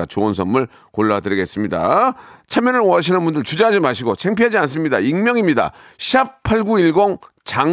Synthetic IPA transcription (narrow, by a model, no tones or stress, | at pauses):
at͡ɕoonsʰʌnmuɭ | koɭːadɯɾiɡe̞s͈ɯmɲida̰t͡ɕʰamjʌnɯnʌɕ̬ʰinɯnbundɯɭt͡ɕud͡ʑaɦad͡ʑimaɕʰiɡosʰe̞ŋpʰiɦad͡ʑians̬͈ɯmɲidaiŋmjʌŋimɲida̰ɕʰiap̚pʰaɭɡuiɭɡoŋ | t͡ɕaŋ